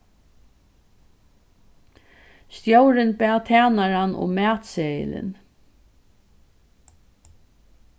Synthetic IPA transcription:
st̪jowɾɪnpæːt̪ʰæːnaɾanʊ̰mæːt̪seːjɪ̰lɪ̰n

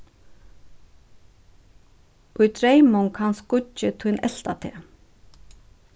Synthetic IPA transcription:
ʊjt̪ʰɾejmʊŋkhanskʊɪt̪ʰujnʔɛl̥t̪at̪ʰeː

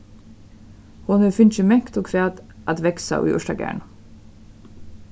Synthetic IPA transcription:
hʊnɛfʏnt͡ʃəmɛkt̪oːkʰɾæːd̪ʔɑt̪ʋɛksɑ̰ʔḭːʔɔʃtɑɡæ̰ːɳ

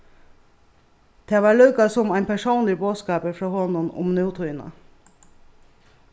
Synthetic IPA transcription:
d̪̥eːʋɑːɭʉkɑsʊmæɪnpʰæʃuːnlɪboːskɑːpəɾfɾoːhɔnʊnʊ̰mnɛʊt̪ʰʊɪnə̰

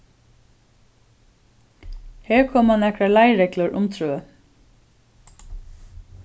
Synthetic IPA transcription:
hɛːɹkʰɔːmhanːɛkɾalajɾɛklʊɹʊmt̪ʰɾʉːə

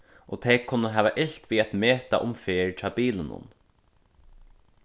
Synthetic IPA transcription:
ʔoːt̪ʰɛːkʰʊnːəɦæːʋaʔɪç̥t̪ʋiːæt̪meːt̪a̰ʔʊmfeːɹtʰabiːlənʊ̰n

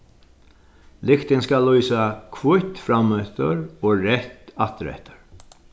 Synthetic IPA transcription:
lɪkt̪ɪnskalːɔjsakʰvʊt̪fɾamœt̪əɾoːɾɛht̪at̪ɾɛ̰ht̪ə̥ɾ

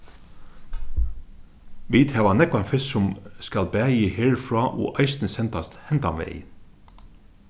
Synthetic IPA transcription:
ʋiːt̪hæːʋɑnɛkʊɑnfɪssɔmskɑlbæːjiːheːɹfɹɑːʔo̰ːʔɑɪst̪n̩əsɛnt̪ɑst̪hɛnt̪ɑ̰mʋḛɪn

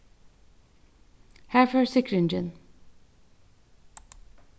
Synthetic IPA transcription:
hæfəɹsɪkɹɪnd͡ʒə̃n

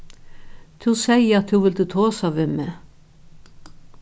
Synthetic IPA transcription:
t̪ʰʉːsæɪəɑt̪hʉːʋɪld̪ʉːt̪ʰoːsɑʋɪmə

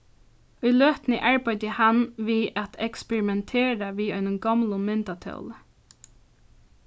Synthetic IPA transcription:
ʊjløːht̪nəʔaɹbɑjt̪əhanʋiæt̪ʰɛkspɛɹɪmɛnt̪ʰeːɹaʋiːœɪnʊŋɡɑmlʊmɪnt̪at̪ʰœ̰wl

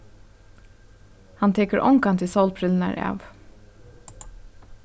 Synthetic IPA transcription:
hɑnt̪ʰeːkəɹʔɔŋkɑnt̪ʰɪsɔlpʰɾɪln̩æ̰ɹʔæ̰ːʋ

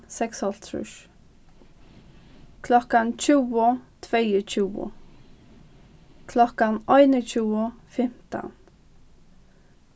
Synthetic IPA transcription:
sɛksɔlt̪ʰɾʏ̰ʃ | kʰlɔkant͡ʃʰuːət̪ʰvejət͡ʃʰuːwə̰ | kʰlɔkanɔjnət͡ʃʰuːəfɪm̥t̪a̰n

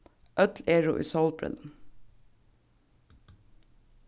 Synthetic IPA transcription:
ʔœt̪leːɹʊ̰ʔḭːsɔlbɹɪ̰ln̩

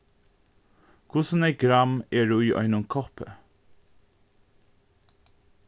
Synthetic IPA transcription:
kʰʊsneɪɡɾɑmeːɖʉːiːʔœ̰ʏnʊmkʰɔpə̰

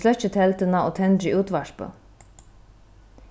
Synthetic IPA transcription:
lœçət̪ʰɛlt̪ənɑoːt̪ʰɛnd̪ɾiːʔʉːt̪ʋɑʃpə̰

